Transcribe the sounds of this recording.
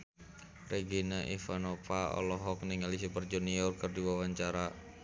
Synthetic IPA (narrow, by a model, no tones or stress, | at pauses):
reɡinaʔifanɔpaɔ̰lɔɦɔk̚nɪŋalis̬ipərd͡ʒuniɔrkɨrdiwawaɲt͡ʃaɾa